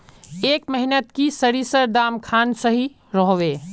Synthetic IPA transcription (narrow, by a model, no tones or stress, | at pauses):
eːkmɛɦnət̪kisəɾisəɾd̪aːmkʰaːnsəɦi | ɾɔɦʋeː